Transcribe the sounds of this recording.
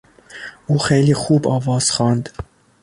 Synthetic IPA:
uːxejliːxuːbɑːvɑːz̥xɑːnd̪

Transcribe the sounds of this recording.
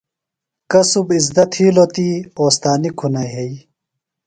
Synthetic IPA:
kɐsubizd̪ɐt̪ʰiːlot̪iːoːst̪aːnikʰunajɦej

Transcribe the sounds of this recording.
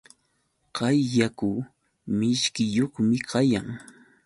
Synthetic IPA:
qɑjːakʊ | mɪʃkɪjoχmɪkɑjaŋ

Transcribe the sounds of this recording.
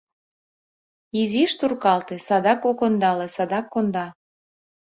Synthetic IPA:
iziʃt̪urkɑlt̪esɑd̪ɑkokond̪ɑlesɑd̪ɑkːond̪ɑ

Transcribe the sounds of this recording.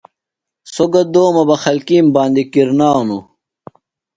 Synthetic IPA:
soɡɐd̪oːmɐbɐxɐlkiːmbaːnd̪ikiɾnaːnu

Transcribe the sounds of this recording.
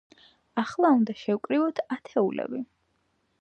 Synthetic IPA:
aχlˠaund̪aʃɛwkʼɾivɔt̪ʰat̪ʰɛulɛ̰bi

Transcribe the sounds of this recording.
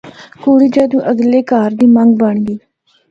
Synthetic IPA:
koːɽiːd͡ʒəːd̪ũːʔəɡleːkaːɾd̪iːmə̃ŋɡ̚bəɳɡiː

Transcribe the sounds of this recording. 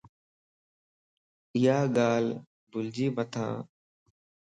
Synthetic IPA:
ɪjaːɠaːl | bʊld͡ʒiːmət̪ʰã̰ː

